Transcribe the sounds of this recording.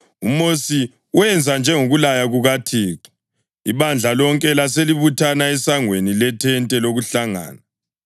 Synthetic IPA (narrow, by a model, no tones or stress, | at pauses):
umosi | uwɛnd͡zʱand͡ʒʱɛŋoɣulajaɣuɣatʰiːǁi̥ | iβand͡ɮʱalɔŋkʼɛlaseliβutʰanaɛsaŋwenilɛtʰɛntʼɛloɣuɬaŋa̰ːna